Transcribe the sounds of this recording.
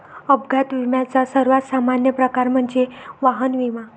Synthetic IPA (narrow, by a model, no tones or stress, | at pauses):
əbɡʱat̪ʋimjat͡sasəɾʋat̪samanjəpɾəkaɾm̤əɳd͡zeʋaɦənʋiʋa